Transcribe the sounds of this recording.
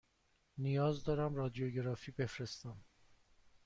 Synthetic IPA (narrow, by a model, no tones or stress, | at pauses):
nijɒːzd̪ɒːɾæmɾɒːd̪ijoɟeɾɒːfiːbe̞fɾe̞st̪æm